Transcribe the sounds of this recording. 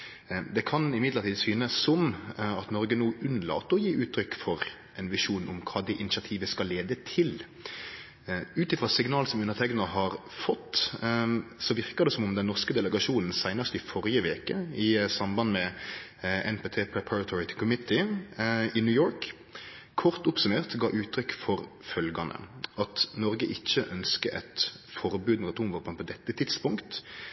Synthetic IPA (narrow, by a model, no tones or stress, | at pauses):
d̪ɛkʰɑnɪmɪd̪ləɾt̪iːd̪syːnəsːɔmɑt̪nɔɾɡənuːʉnːlɑ̰ːt̪ːəɔjiːʔʉːt̪ʰːɾʏkːfɔɾ | ɛnʋɪʂuːnʔʊmkʰɑːd̪ɛʔɪnɪsɑt̪ʰiːʋəskɑlːeːd̪ət̪ʰɪl | ʉːt̪ɪfɾɑsɪŋnɑːlsɔmʉnəʁt̪ʰɛkɡnənəɦɑɾfɔt̪ː | sɔʋɪʁkəd̪ɛsɔmʊmd̪ɛnnɔʁskəd̪ɛləɡɑʂuːnn̩sæɪnəst̪ɪfɔɾjəʋeːkəɪsɑmbɑnmɛ | ʔɛnpeːt̪ʰeːpʰɹɛpʰæɾɑt̪ʰɔɹɪt̪ʰkʰʊmɪt̪ːɪ | ɪnʉːjoːɾk | kʰːɔʁt̪ʊpsʉmeːʁt̪ɡɑ̰ːʔʉːt̪ʰːɾʏkfɔɾfœlɡɑnə̰ɑt̪nɔɾɡəʔɪçːəʔœnskəʔɛt̪fɔɾbʉːd̪mɛɑt̪uːmʋɔpənpʰɔd̪ɛt̪ːət̪ʰɪd̪spʊŋkt̪